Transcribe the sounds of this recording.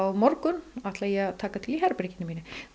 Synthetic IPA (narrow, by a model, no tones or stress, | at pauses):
wmɔɾkʏnat̪ʰlajɛt̪ʰaːkat̪ʰɪliɦɛɾpɾɪcɪnɪmiːnɪ